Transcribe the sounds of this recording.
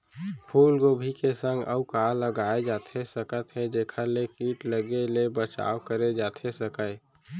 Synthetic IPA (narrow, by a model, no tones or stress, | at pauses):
pʰuːlɡoːbʱikesə̃ŋɡə̰ʊkaːləɡaːed͡ʒaːt̪ʰesəkət̪ɦɛd͡ʒeːkʰalekiːʈləɡelebət͡ʃa̰ːwkəɾed͡ʒaːt̪ʰesəkə